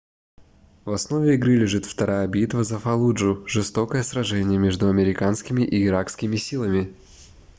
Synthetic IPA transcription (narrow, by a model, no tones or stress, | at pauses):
vɐsno̞vʲɪɪɡɾɨlʲɪʐɨt̪ft̪ɐɾʔajəbʲit̪vəzɐfɐlˠuʐʊʐɨst̪o̞kəjəsɾɐʐɛnʲɪjəmʲeʐd̪ʊɐmʲɪɾʲɪkanskʲɪmʲɪʔiɪɾakskʲɪmʲɪsʲilˠəmʲɪ